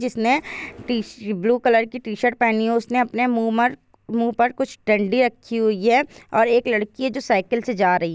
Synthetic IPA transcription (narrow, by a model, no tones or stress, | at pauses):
d͡ʒɪsneibluːkɐləɾkiʈiːʃəɾʈ̚pɛːniɦʊsneɐpnemu | muːpɐɾkʊt͡ʃʰɖɐ̃ɳɖiɾɐkʰːiɦʊiɦɛɔːɾeːklɐɽkied͡ʒoːsaːɪkəlsed͡ʒaːɾɐɦi